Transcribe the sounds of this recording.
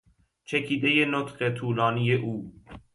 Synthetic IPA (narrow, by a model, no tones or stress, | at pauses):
t͡ʃʰekʰiːd̪ejenot̪ɢe̞t̪ʰuːlɒːnijeʔuː